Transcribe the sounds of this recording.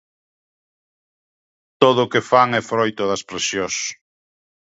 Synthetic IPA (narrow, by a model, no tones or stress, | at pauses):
t̪oðʊkefaŋɛfɾojt̪ʊðɐspɾesjos